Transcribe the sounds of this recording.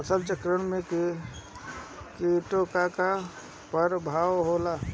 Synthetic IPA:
əsʰəlt͡ʃəkɾəɳmẽk | kiʈokaka | pəɾbʱaːwɦola

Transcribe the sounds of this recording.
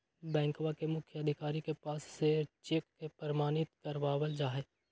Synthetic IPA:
bɛ̃ːŋkʋakemʊkʰjəəd̪ʱɪkaːɾikepaːsːet͡ʃeːkːepəɾmaːnɪt̪kəɾʋaːʋəld͡ʒaːɦeː

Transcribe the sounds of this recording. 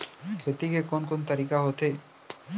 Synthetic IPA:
kʰet̪ikekonkont̪əɾikaɦot̪ʰe

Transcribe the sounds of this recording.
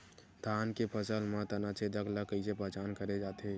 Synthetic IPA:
d̪ʱaːnkepʰəsəlmãt̪ɐnat͡ʃed̪əkləkəisepəɦt͡ʃaːnkəɾed͡ʒaːt̪eɦɛ

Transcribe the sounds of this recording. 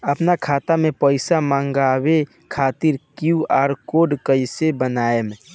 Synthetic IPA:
əpnakʰat̪amepəɪsamãŋɡabe | kʰat̪iɾkjuaːɾkoɖkəisebənaeme

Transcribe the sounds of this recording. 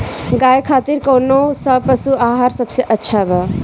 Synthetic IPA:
ɡaːjkʰaːt̪iɾkoːnosɐpəsuaːɦaːɾsɐbseʔətːʃʰabʱa

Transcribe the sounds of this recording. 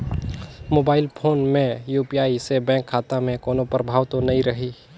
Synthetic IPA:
moːbaːɪlpʰoːnmẽjuːpijaːisebɛ̃ːŋkʰːaːt̪amẽkoːnopɾəbʱaːʋt̪onɐĩɾəɦiː

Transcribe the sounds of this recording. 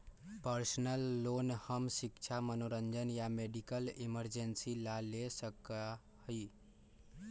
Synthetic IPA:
pəɾsnəlːonhəmsikt͡ʃʰamənoɾənd͡ʒənjameɖikəliməɾd͡ʒensilalesəka | həi

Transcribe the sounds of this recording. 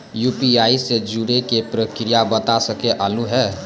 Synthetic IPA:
jupiaːised͡ʒuɽekepɾəkɾijabət̪asəkeʔalũɦɛː

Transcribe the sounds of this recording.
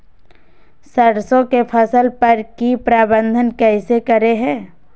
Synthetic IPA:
səɽsõkepʰəsəlpəɾkipɾaːbə̃nd̪ʱənkɛːsekəɾeɦɛ̃ː

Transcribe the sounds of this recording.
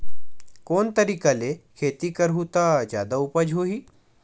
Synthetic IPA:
koːnt̪əɾiːkalekʰeːt̪ikəɾɦut̪ad͡ʒjaːd̪aʊpəd͡ʒʱɦoːɦiː

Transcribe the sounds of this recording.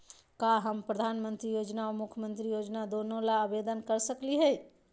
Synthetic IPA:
kaɦəmpɾəd̪ʱanmənt̪ɾijod͡ʒnaomukʰjəmənt̪ɾijod͡ʒnad̪onolaəbed̪ənkəɾsəkliɦəj

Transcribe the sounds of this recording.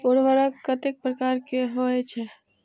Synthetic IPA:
oɾʋəɾəkkːət̪ek̚pɾəkaɾkeɦoɛt͡ʃʰɛ

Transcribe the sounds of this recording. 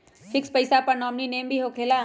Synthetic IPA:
fɪkspɐɪsapɐɾnɔːmnineːmbʱiɦoːkʰeːlaː

